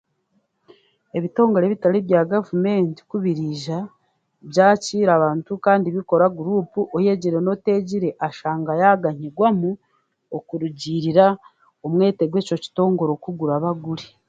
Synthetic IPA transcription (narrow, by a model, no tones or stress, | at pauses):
e̞βito̞ːŋɡo̞ɾeβitaliβjaːɡavume̞ːnti̥kuβiɾiʒa | bjɟaːciːɾaβaːntukaːndiβiko̞ɾaɡuɾuːpuʔoje̞ɟiɾe̞no̞te̞ːɟiɾe̞ʔaʃaːŋɡajaɡaɲiɡwamu | okuɾuɟiːɾiɾa | omwe̞ːte̞ɡwe̞ːco̞ci̥to̞ːŋɡo̞ɾo̞kuɡuɾaβaɡuɾi